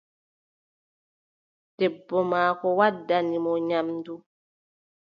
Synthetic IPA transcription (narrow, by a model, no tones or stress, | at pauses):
d̥ɛbːɔmaːkɔwadːanimɔɲamdu